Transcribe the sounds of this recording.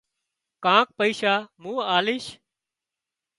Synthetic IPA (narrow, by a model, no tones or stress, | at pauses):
kãːk̚pəiːʃaːmũːaːlɪːʃ